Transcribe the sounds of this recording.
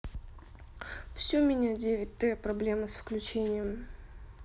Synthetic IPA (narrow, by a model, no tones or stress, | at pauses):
fsʲɵmʲɪnʲadʲevʲɪt̚ʲt̪ɛpɾɐblʲeməsfklʲʉt͡ɕenʲɪjəm